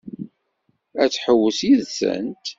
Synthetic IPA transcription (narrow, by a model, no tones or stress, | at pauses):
æt͡sːħəwːəsiðsə̰nt̪